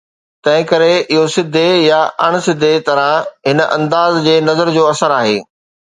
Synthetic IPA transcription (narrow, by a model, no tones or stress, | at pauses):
t̪ɐ̃ɦɪ̃kɐɾeɪɦosɪd̪ʱːejaʔɐɽ̃̆sɪd̪ʱet̪ɐɾãɦɪnʔɐ̰̃nd̪aːzd͡ʑeːnɐzəɾd͡ʑoːɐsəɾaːɦḛː